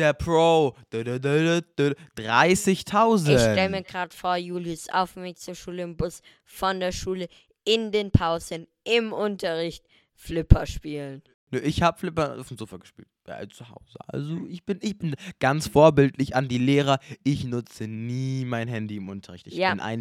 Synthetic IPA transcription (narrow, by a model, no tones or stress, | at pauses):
d̥eːɐpʰʁ̥oːd̥ddd̥d̥ʁa̰ɪsɪçtʰaʊzʃɛlmiːɐɡʁaːtfoːɐjuːlisʔa̰ʊfmɪçt͡suːɐʃuːləɪmbʊs | fɔndeːɐʃuːlə | ɪndeːnpʰaʊzən | ʔɪmʔʊntʰɐʁɪçt | flɪpʰɐʃpiːlən | nəʔɪçhaːbəflɪpɐa̰ʊfm̩zoːfɐɡəʃpḭːlt̚a̰t͡suha̰ʊzə̰ʔa̰lzoɪçb̥ɪnɪçb̥ɪnɡ̥ant͡sfoːɐbɪltʰlɪçandiːleːʁɐʔɪçnʊt͡səniːmaɪnɦɛndiɪmʔʊntʰɐʁɪçtɪçjbaɪnʔa̰ɪn